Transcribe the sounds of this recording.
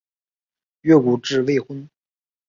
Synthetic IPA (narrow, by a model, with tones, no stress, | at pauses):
ɥɛ˥˩ku˨˩ʈ͡ʂɻ̩˥˧we˥˧ɪxwə˥n